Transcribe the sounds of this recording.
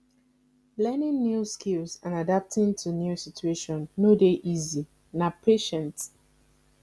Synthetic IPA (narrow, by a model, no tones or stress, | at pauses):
lɛnɪ̃nnjuskilzãnadap̚tʰɪ̃ntʰunjusitueʃɔ̃nnodeʔizi | napʰeʃɛ̃nt